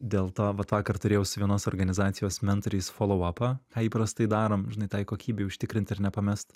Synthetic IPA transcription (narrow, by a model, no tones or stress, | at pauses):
d̪ʲeːlˠt̪oːʋɐt̪ʋɑːkɐrt̪ʊɾʲeːjɛʊsʊʋʲiɛnoːsoɾɡɐnʲɪzɑːt̪sʲɪjoːsmʲɛnt̪ɾʲiːsfoːlˠɔʊɐpɑkɑːiːpɾɐst̪ɐɪd̪ɑːɾoːmʒʲɪnɐɪt̪ɑɪkoːkʲiːbʲeɪʊʃʲt̪ʲɪkɾʲɪnt̪ɪɾnʲɛpɐmʲɛst̪